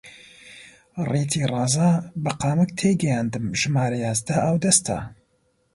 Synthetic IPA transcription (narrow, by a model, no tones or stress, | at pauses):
ret̪ʰiːrˤɑːzaːbɐqɑːmɨk̚t̪ʰeɡɛjaːnd̪ɨmʒɨmaːɾɐjaːzd̪ɐʔɐwd̪ɐst̪ʰɐ̰